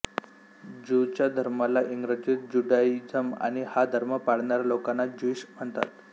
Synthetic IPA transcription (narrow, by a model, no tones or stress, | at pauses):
d͡ʑut͡ɕjad̪ʱəɾmalaʔiŋɡɾəd͡ʑit̪̚d͡ʑuɖaid͡zəma̰ɽ̃ihad̪ʱəɾməpaɽ̤ɳaɾalokanːad͡ʑiɕm̤əɳt̪a̰t̪